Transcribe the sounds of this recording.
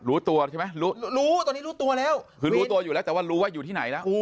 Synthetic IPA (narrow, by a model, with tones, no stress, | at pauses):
ɾuː˦˥t̪u˧ɐt͡ɕʰa˥˩ma˦˥jɾuː˦˥˦ɾuː˦˥t̪ɔ˧ni˦˥ɾuː˦˥t̪u˧ɐlɛː˦˥wkʰɯː˧ɾːt̪u˧ɐju˨˩lɛː˦˥wt̪ɛ˨˩waː˥˩ɾuː˦˥wa˦˥juː˨t̪ʰiː˥˩na˩˦jlɛ˦˥ʔ